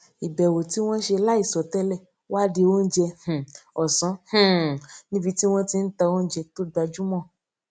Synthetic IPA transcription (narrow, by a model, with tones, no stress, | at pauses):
i˨bɛ˨wo˨ti˨˦w̃ɔ̃˦ʃe˧la˦i˦˨sɔ˨tɛ˦lɛ˦˨ | wa˦di˧wo˦n̩˦d͡ʒɛ˧h̩˨ɔ˨sɔ̃˨˦h̩˦˨nĩ˦bi˧ti˦w̃ɔ̃˦ti˧n̩˦ta˧wo˦n̩˦d͡ʒɛ˧to˦da˧d͡ʒu˦mɔ̃˦˨